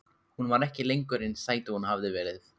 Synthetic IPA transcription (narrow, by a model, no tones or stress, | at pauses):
hunvaɾɛhcɪlejŋkʏɾɪnsaːjt̪ɪhunhavðɪvɛːɾɪθ